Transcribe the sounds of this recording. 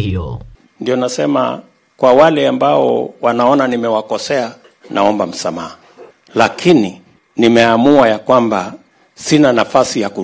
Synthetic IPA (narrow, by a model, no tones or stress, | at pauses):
ɔ | ndiɔnasɛma̰ | kwawalɛambaɔ̰wanaɔnanimɛwakɔsɛa | nʔaɔmbam̩samaha | lakʰini | nimɛamuajakwamba | sinanafasijaku